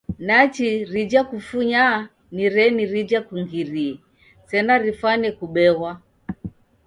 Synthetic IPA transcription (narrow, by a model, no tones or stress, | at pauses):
nat͡ʃiɾid͡ʒakufuɲa | niɾɛniɾid͡ʒakuŋɡiɾiɛ | sɛnaɾifaɲɛkuɓɛɣwa